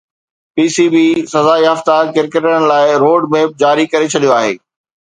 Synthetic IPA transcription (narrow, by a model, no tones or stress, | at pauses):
piːsibisɐzaːiɦɐft̪akɪɾkəʈəɽɽ̃̆laːɪɾoːɖmeːp̚d͡ʑaːɾikɐɾet͡ɕʰɐɗijoaːɦḛː